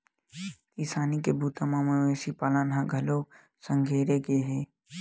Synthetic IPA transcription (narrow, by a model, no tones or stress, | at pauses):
t̪isaːnikebʱuːt̪amãmeʋeːsipaːlãnɦãɡʱɐlo | sə̃ŋɡʱeːɾekeɦeː